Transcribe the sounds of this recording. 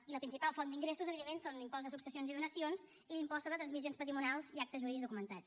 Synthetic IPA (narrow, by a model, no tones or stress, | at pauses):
iləpɾinsipalˠfond̪iŋɡɾesuzəβiðemensond̪impɔzðəsuksəsionziðunəsions | ilimpɔst̪əðət̪ɾənzmizionspət̪ɾimunalˠziak̚t̪əzʒuɾiðizðukumənt̪as